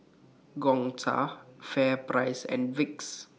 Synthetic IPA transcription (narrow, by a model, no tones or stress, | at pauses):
ɡɔ̃ŋtʰa̰fɛpɾaɪsɛ̰̃nwɪks